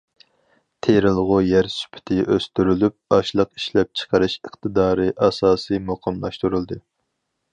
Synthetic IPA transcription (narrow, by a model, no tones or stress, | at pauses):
t̪ʰeɾɨlˠʁʊjæɾsy̥pʰɪ̥t̪ʰɪʔøst̪yɾylyp̚ɑʃlˠəqi̥ʃlɛp̚t͡ʃʰə̥qʰəɾɨʃɨχt̪ʰɨd̪ɑːɾɨʔɑsɑːsɨmoqʰɨmlˠɑ̰ʃt̪uɾulˠd̪ɨ